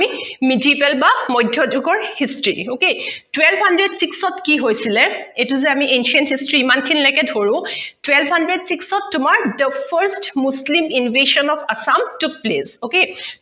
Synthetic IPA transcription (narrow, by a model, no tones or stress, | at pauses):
imidiivɛlbamɔjdʱjɔd͡ʒuɡɔɹhistɹḭoketwɛlbʱhandɹedsiksɔtkiɦojsilɛetuzɛamiʔenʃiɔnthistɹiimankʰinilɛjkɛdʱoɹʊ̃twɛlbʱhandɹedsiksɔtːʊmaɹdəpʰəɹstmusliminɔvʱeʃɔnɔfasamtuk̚plesoke